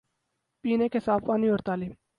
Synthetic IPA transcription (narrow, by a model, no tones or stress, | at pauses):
piːnekesaːfaːnioɾt̪aːlim